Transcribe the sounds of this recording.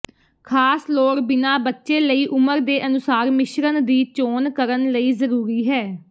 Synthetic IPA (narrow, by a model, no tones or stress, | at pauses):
kʰaːsloːkbɪnaːbətːʃẽːləiːʔʊməɾd̪eːʔənʊsaːɾmɪʃɾənd̪iːt͡ʃoːnkəɾənləiːzəɾuːɾiːɦɛː